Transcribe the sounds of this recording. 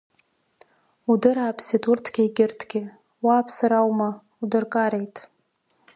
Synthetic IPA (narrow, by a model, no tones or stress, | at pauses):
udɨɾaːpʰsitʰʼʊrtʰɡʲajɡʲɪrtʰɡʲɪ | waːpʰsaɾawma | udɨrkʼaɾejtʼ